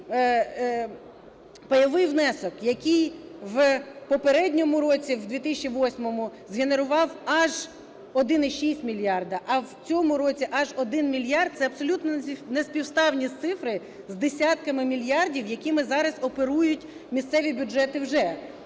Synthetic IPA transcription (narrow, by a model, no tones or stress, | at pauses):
pɐjɔʋɪjwnɛsɔkjɐkʲijʋpɔpeɾɛdʲnʲɔmʊɾɔt͡sʲiwd̪ʲʋʲit̪ɪsʲt͡ʃːʲiʋɔsʲmɔmʊzɦene̞ɾʊʋɑwɐʒ | ɔd̪ɪnɪʃisʲtʲmʲilʲjɑrd̪ɐʔɐwt͡sʲɔmʊɾɔt͡sʲiʔɐʒɔd̪ɪnmʲilʲjɑrd̪̚t̪sɛɐbsɔlʲut̪nɔnespʲiwst̪ɑwnʲisʲt̪sɪfɾɪ | zd̪esʲɑt̪̚kɐmɪmʲilʲjɑrdʲiwjɐkʲimɪzɑɾɐzɔpeɾujʊtʲ | mʲist̪sɛʋʲibʲʊd͡ʒɛt̪ɪwʒɛ